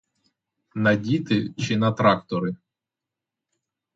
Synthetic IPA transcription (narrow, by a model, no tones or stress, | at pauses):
nɐdʲit̪ɪt͡ʃɪnɐt̪ɾɑkt̪ɔɾɪ